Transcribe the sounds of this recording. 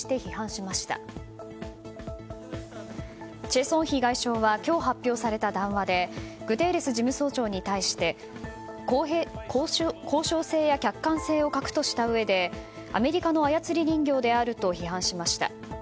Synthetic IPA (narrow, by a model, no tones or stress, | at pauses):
i̥t̪e̞çihãɰ̃ɕimaɕi̥t̪a̰ | t͡ɕe̞ːsõ̞ɰ̃çiɡaiɕo̞ːβakʲo̞ːɦapʲːjo̞ːsaɾe̞t̪ad̪ãɰ̃βad̪e̞ɡ̥ɯ̟t̪e̞ːɾe̞sɨʑimɯ̟so̞ːt͡ɕo̞ːɲ̟it̪aiɕi̥t̪e̞ | kkʰo̞ːɕo̞ːse̞ːjakʲakːãɰ̃se̞ːo̞kakɯ̟̥t̪o̞ɕi̥t̪aɯ̟βe̞d̪e̞ | a̰me̞ɾʲikano̞ajat͡sɨɾʲiɲʲĩŋɡʲo̞ːd̪e̞aɾɯ̟t̪o̞çihãɰ̃ɕimaɕi̥t̪a̰